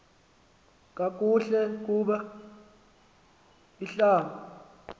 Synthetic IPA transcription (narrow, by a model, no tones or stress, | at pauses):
k̬ʼak̬ʼuɬɛk̬uːɓa | iɬaːma